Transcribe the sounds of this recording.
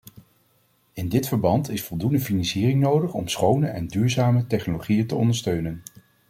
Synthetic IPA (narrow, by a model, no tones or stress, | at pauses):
ɪndɪtfəɹbɑntɪsfɔlˠdundəfinɑnsiːrɪŋnowdəχɔ̰msχownəʔɛndyːɹzaːmətɛχnoloχijəntəɔndəɹstøɥnən